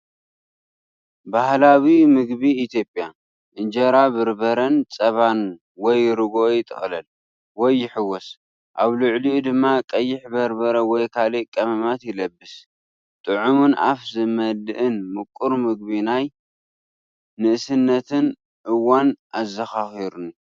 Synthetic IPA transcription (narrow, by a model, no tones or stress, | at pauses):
bahlawimɨɡbiːt̪ʰjo̞pʼja | ʔɨnd͡ʒɐɾabɨɾbɐɾɐnt͡sʼɐβan | wɔjɾɨɡojɪt̪ʼɨ̰xʼlɐl | wɔjːɪħɨwːɔs | ʔaβlʊʕliud̪ɨmːakʼɐjːɪħbɐɾbɐɾɐwɔjkʰalikʼɐmɐmat̪jɪlɐbːɨs | t̪ʼɨʕumunʔa̰fzɨmɐlɨʔɨnmɨkʷʼːuɾmɨɡ̚βinaj | nɨʔɨsɨnːɐt̪ʰɨn | ʔɨwanʔazɐxaxiɾunu